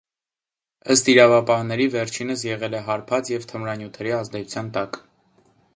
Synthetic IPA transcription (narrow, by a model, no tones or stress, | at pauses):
əst̪iɾɑvɑpɑhnɛɾivɛɾt͡ʃʰinəs̬jɛʁɛlɛɦɑɾpʰɑt͡sjɛvt̪ʰəmɾɑnjut̪ʰɛɾiɑzd̪ɛt͡sʰut͡sʰjɑnt̪ɑk